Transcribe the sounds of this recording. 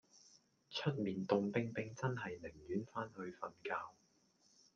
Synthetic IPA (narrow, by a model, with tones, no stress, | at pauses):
t͡ʃʰɵ˥t̚miː˨nt̪ʊ˨˧ŋpɪ˥ŋpɪ˨˧ŋt͡sɐ˥nɦɐ˨jlɪ˨˩ŋjyː˨˥nfaː˥nhɵ˧ɥfɐ˨˩nkaː˧w